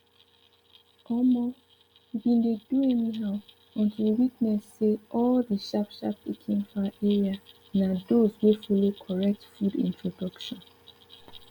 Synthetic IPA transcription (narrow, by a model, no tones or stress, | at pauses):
ɔmɔ | jubĩndeduɛniɦaʊ | ɔ̃ntʰuwitnɛsːeʔɔldiʃapʃa̰pːekʰĩŋfaʔɛɹia | nadozwefɔlokʰɔɹɛk̚tfudḭ̃ntʰɹɔdɔkʃɔ̃n